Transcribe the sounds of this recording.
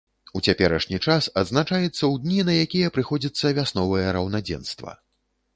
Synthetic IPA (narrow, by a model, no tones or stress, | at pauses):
ut͡sʲapʲɛɾɐʂnʲit͡ʂasɐd̪znat͡ʂajɛt̪sːɐwd̪ʲnʲinɐjakʲijɐpɾɨxɔd͡zʲit̪sːɐvʲasnɔvɨjɛɾɐwnad͡zʲɛ̰nst̪vɐ̰